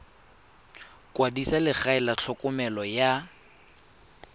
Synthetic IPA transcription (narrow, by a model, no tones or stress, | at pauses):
kʼwadisalɪχaɪlat͡ɬʰɔkʼʊmɛlɔja